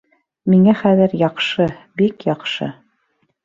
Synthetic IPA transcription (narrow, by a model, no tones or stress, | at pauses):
miŋæχæðɘɾjɑqʃɤbikjɑqʃɤ̰